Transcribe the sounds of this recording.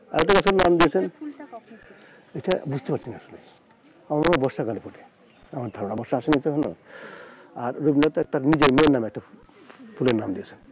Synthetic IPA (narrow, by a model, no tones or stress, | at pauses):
a̰ɾɛk̚ʈakat͡ɕʰoɾnamd̪iet͡ɕʰen | ejʈabud͡ʑʱt̪epaɾt͡ɕʰiniaʃolːḛ | amaɾamabɔɾʃakalepɔʈe̥ | amaɾd̪ʱɔɾɔnabɔɾʃaaʃenit͡ɕʰeɦɔno̰ | aɾːubinat̪at̪aɾnid͡ʑeɾmeonːameɛk̚ʈa | pʰuleɾnamd̪iet͡ɕʰen